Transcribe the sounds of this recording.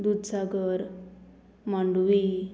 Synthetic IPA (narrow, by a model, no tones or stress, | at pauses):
d̪ud̪saɡəɾ | maɳɖuʋi